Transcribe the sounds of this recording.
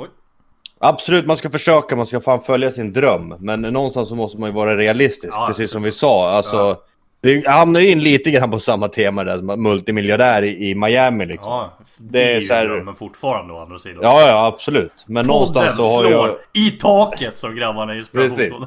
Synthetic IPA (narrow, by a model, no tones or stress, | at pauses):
ʔabsɔlʉ̟ːt̪manskafœʂøːkamanskafaːnfœljasɪnd̪ɾœmːɛnːɔnst̪ansːɔmɔst̪əmanjɵvɑːɾaɾɛalɪst̪ɪsk̚pɾɛsiːsɔmvɪsɑːalsɔ | d̪̥ɛjhamnajɵɪnːliːt̪əɡɾanːpʰɔsamːat̪ʰeːmad̪æʂɔmamɵlt̪ɪmɪljaɖæːɾɪɪmajæːmɪlɪkksɔ | d̪ɛːsɔæːɾmfʊʈːfɑːɾand̪əa̰nɾasiːd̪jɑːjab̥sɔlʉ̟ːt̪mɛnːɔnst̪ansːɔhaɾjɪt̪ʰɑːkət̪sɔmɡɾamːanɛjspʰɾɛsiː